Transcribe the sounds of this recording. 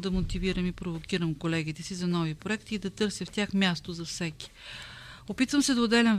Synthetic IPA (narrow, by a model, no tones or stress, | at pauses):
d̪ɐmot̪iviɾəmipɾovokʲiɾəmkolɛɡit̪ɛsizɐnɔvipɾoɛkt̪iːd̪ɐt̪ɤɾsɛft̪ʲjaxmʲjast̪ozɐfsɛki̥ | opit̪vəmsɛd̪ɐod̪ɛlʲɛm